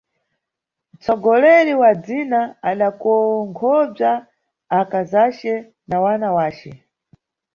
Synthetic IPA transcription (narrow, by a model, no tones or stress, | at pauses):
m̩t͡sɔɡɔlɛɾiwad͡zinaaɗakɔŋkʰɔb͡ʐaː | kazat͡ʃɛ | nawanawaːt͡ʃɛ̰